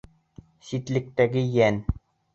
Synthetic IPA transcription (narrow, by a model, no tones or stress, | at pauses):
sit̪lɘ̆k̚t̪æɡɘjæn